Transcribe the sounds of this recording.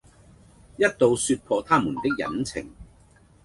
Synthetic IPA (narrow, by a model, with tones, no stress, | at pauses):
jɐ˥t̚t̪o˨˧wsyː˧t̚pʰɔː˧t̪ʰaː˥muː˨˩nt̪ɪ˥k̚jɐ̰˨˥nt͡sʰɪ̰˨˩ŋ